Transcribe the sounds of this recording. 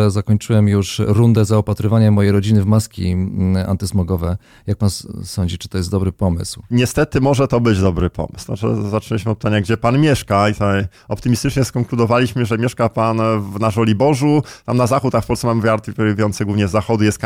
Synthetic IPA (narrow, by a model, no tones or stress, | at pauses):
ɛzakɔɲt͡ʂɘwɛmjuʂɾund̪ɛzaɔpat̪ɾɨvaɲamɔjejɾɔd͡ʑinɘvmaskʲḭa̰nt̪ɘsmɔɡɔvɛ | jak̚pansɔɲd͡ʑit͡ʂɘ̥t̪ɔjɛst̪d̪ɔbɾɘpɔmɘ̰swɲɛst̪ɛt̪ɘmɔʐɛt̪ɔbɘd͡ʑd̪ɔbɾɘpʰɔ̰m̰sw̪a̰t͡ʂɛ̰zatnɛlʲiɕmɘɔt̪̚pɘ̥t̪aɲaɡd͡ʑɛpanmʲjɛʂkait̪aj | ɔpt̪ɘmʲist̪ɘt͡ʂɲɛskɔŋklud̪ɔvalʲiɕmɘʐɛmʲjɛʂkapanvnaʐɔlʲibɔʐut̪amnazaxut̪axfpɔlsɛmamɘvʲjaɾt̪ipvʲujɔnt̪sɛɡwuvɲɛzːaxɔd̪ujɛst̪k